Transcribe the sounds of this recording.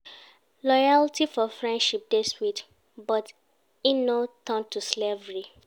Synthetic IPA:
lɔjaltʰifɔfɹɛ̃ndʃip̚deswit | bɔt | inotɔ̃ntuslevɹi

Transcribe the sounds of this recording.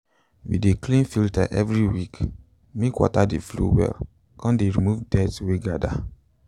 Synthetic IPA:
wḭdeklĩnfilta̰ʔɛvɹiwik | mekwɔ̰tadeflṵwɛ̰l | kʰɔ̃ndeɹimuvdɛtweɡada̰

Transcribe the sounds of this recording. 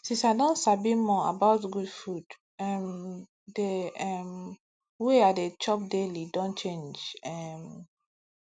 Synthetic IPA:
sisadɔ̃nsabimɔ̃a̰baʊtɡudfud̥ | ɛ̃m | deɛm | weadet͡ʃɔp̚delidɔ̃nt͡ʃẽnd͡ʒɛm

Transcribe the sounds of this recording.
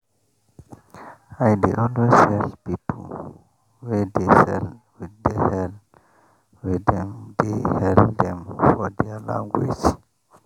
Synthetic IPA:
ajdeʔɔlwesɛspipʰol | wɛdesɛ̰l | widɛhɛl | widɛ̃md̪ehɛld̪ɛ̃mfɔdɛəlã̰ŋɡwḛd͡ʒ

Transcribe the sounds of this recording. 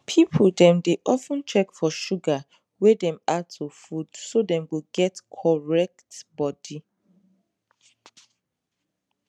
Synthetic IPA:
pʰipʰoldɛ̃mdeʔɔfə̃nt͡ʃɛkfɔʃuɡa | wedɛ̃matʰufud̥sodɛ̃mɡoɡɛtkʰɔɹɛk̚tbɔdi

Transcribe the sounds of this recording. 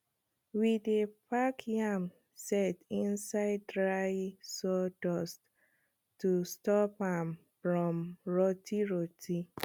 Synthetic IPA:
widepakʰiam | sɛtĩnsaɪdɹaɪsɔdɔst | tustɔpãm | fɹɔ̃mɹɔtʰiɹɔtʰi

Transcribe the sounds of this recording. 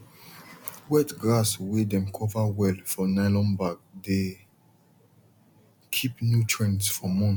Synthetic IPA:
wɛtɡɹaswedɛ̃mkʰɔvawɛlfɔnaɪlɔ̃nbaɡ̚de | kʰipnjutʰɹɛ̃nsfɔmɔ̃n

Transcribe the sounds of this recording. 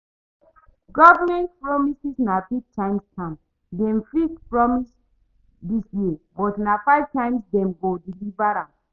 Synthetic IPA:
ɡɔvamɛ̃ntpɹɔmisisnafivtʰãɪ̃mstʰãm | dɛ̃mfitpɹɔmis | disjebɔtnafaɪv̥tãɪmsdɛ̃mɡodilivaɹãm

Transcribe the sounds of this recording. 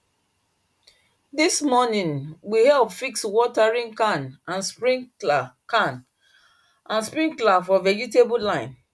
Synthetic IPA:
dismɔnĩnwihɛlpfikswɔtaɹĩnkanãnspɹĩŋlakãn | ʔãnspɹĩŋklafɔvɛd͡ʒitebulãɪ̃n

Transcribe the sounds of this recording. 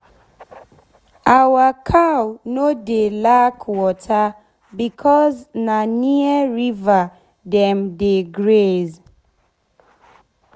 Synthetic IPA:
awakʰawnodelakwɔtʰa | bikʰɔznaniəɹiva | dɛmdeɡɹez

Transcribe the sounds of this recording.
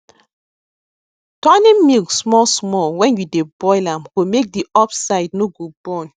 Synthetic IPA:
tɔnĩmilksmɔlsmɔlwɛ̃njudebɔɪlãmɡ̥omek̚diɔpsaɪdnoɡobɔ̃n

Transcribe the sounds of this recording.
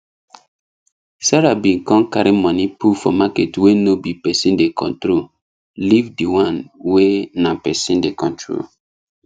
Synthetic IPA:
saɾabĩnkɔ̃nkaɾimɔ̃nipufɔ̰maketwenobipɛsĩndekʰɔ̰̃ntɾol | livdiwãnwenapɛsĩndekɔ̃ntɹo̰l

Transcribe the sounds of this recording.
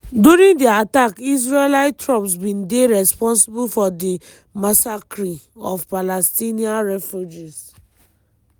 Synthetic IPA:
duɾĩŋdiatakis̬ɹelaɪttɹɔpsbĩndeɹɛspɔ̃nsibulfɔdi | masakɾiɔvpalɛstiniãnɹɛfjud͡ʒis

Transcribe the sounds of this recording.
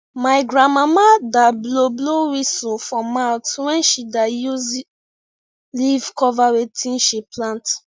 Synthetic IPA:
maɪɡɹãmamadabloblowisofɔ̃mawtwɛ̃nʃidajuz | livkɔvawetʰĩnʃiplãnt

